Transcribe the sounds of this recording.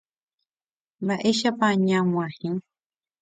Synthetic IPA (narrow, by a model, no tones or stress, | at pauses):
laʔeʃapaɲamwahiŋ